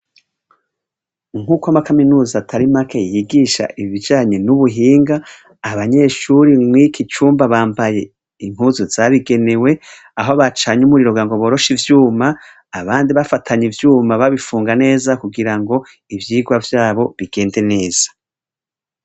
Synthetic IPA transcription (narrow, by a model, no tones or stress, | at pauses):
ŋ̥huːkwamakaminuːzatʰaɾimakʰajiɡiːʃa̰ʔiβid͡ʒaːɲenuβuɦiːŋɡaː | βaɲe̞ʃuɾimwikʰit͡ʃuːmbaβaːmbaje̞ | iŋ̥uzuz̥aβiɡe̞ne̞we̞ | aɦoβat͡ʃaɲumuɾiɾoɡaŋɡo̞βo̞ːɾo̞ʃivjuːma | aβaːndiβafatʰaɲivjuːmaβaβifuːŋɡane̞ːzakuɡiɾaŋɡo̞ | ivjiːɡwavjaːβo̞βiɡ̥e̞ːnde̞ne̞ːz̥ḁ